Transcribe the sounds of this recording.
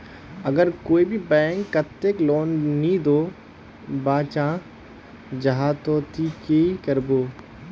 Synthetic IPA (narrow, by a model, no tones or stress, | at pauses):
ɐɡəɾkoːibʱibɛ̃ːŋkːɐt̪ːekloːnːĩd̪oː | baːt͡ʃãː | d͡ʒɐɦaːt̪oːt̪ikekɐɾboː